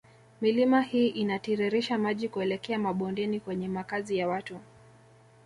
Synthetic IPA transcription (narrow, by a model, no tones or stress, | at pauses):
milimahiːʔinatiɾɛɾiʃamaʄikuɛlɛkɛamaɓɔndɛnikwɛɲɛmakazijawatu